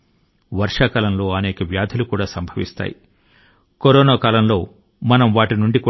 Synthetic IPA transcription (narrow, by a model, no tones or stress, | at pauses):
ʋɐɾʂaːkɐlɐmlo̞ːɐneːkɐʋjaːd̪ʱɐlukuːɽaːsɐmbʱɐʋḭst̪a̰ːji | koɾoːnaːkaːlɐmlo̞ː | mɐnɐmʋaːʈinuɳɖik